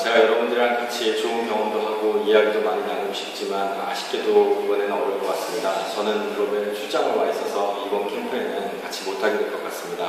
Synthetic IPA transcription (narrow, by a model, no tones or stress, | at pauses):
t͡ɕe̞ɡajʌɾʌbundɯɾankat͡ɕʰit͡ɕoumkʰʌŋʌndoɦaɡoijaɡidomaɲinaŋoɡoɕʰi̥p̚t͡ɕ͈iman | a̰ɕʰi̥k̚k͈edoibʌnenʌmɯɭk͈ʌk͈w͈as͈ɯmɲidat͡ɕʌnɯnkɯɾʌmɯɭt͡ɕʰut͡ɕ͈aŋɯwaɦes͈ʰʌsʰʌibʌnkʰempʰenɯnkat͡ɕʰimotʰaɡidwe̞ɭk͈ʌk͈as͈ɯmɲida